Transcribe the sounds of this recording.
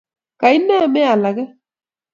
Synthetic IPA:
ka˨i˦nːa˦˨me˦a˨la˨kɛ˦

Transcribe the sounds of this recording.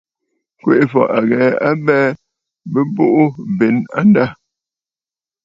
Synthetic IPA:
kwe˦˨ʔfɔ̰˨ʔa˨ɣɛ˨˦a˦bɛː˦ | bə˦bo˦ʔu˦be˨˦na̰˦n˦da˦˨

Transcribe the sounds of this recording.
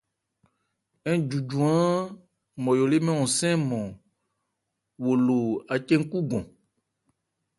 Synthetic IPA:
ɛ˦d͡ʒu˨d͡ʒũ˨ã˦ | mɔ̃˨jo˨le˦mɛ̃˦wɔ̃˨sɛ̃˦mɔ̃˨ | wo˨lo˨a˨t͡ʃe˦ŋ̩˦ku˦ɡɔ̃˨

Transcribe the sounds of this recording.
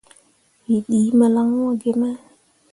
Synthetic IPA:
wi˨ɗi˨˦ma˨la˦ŋ˦ɔ˦˨ɡe˨ma˦

